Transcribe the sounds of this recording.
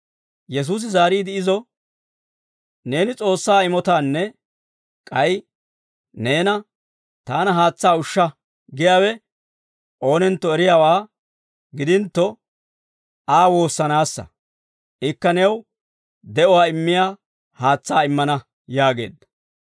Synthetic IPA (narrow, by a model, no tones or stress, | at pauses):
jɛs̬uːs̬ɪzaːɾiːd̪ɪɪzɔ | ne̞ːnɪt͡sʼo̞ːsːaːɪmɔt̪aːnːɛ | kʼɐj | ne̞ːnɐ | t̪aːnɐɦaːt͡sːaːʊʃːɐ | ɡɪjaːwɛ | ʔo̞ːnɛnt̪ːɔɛɾɪjaːwaː | ɡɪd̪ɪnt̪ːɔ | aːwo̞ːsːɐnaːsːɐ̰ | ʔɪkːɐnɛw | d̪ɛʔɔwaːɪmːɪjaː | haːt͡sːaːɪmːɐnɐ | jaːɡe̞̰ːd̪ɐ